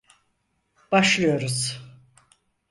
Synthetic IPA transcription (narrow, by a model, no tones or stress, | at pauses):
b̥aʃlˠɯjo̞ɾuz̥